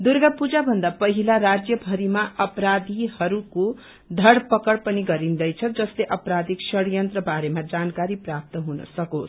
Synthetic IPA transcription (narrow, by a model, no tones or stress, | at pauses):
d̪urɡapud͡zabʱʌnd̪apʌɦilaɾad͡zjʌbʱʌɾimaʔʌpɾad̪ʱihʌɾuko | d̪ʱʌɽpʌkʌɽpʌniɡʌɾind̪ʌjt͡sʰʌd͡zʌsleʔʌpɾad̪ʱiksʌɽjʌnt̪rʌbaɾemad͡zankaɾiprap̚t̪ʌɦunʌ̰sʌkot͡sʰ